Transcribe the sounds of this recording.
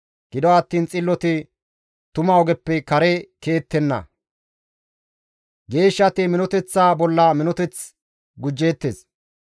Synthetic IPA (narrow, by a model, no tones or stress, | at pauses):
ɡ̥ɪd̪ɔɐt̪ːiːnt͡sʼɪlːɔt̪ɪ | t̪ʊmɐɔɡɛpːɛkɐɾɛke̞ːt̪ːɛnːɐ̰ | ɡe̞ːʃːɐt̪ɪmɪnɔt̪ɛt͡sːaːbɔlːɐmɪnɔt̪ɛt͡s | ɡʊd͡ʒːe̞ːt̪ːeːs